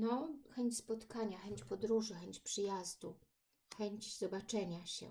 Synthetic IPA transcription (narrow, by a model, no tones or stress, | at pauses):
nɔxɛɲt͡ɕʲspɔt̪kaɲaxɛɲt͡ɕpɔd̪ɾuʐɘxɛɲt͡ɕpʂɘjazd̪u | xɛɲd͡ʑz̥ɔbat͡ʂɛɲaɕɛ̰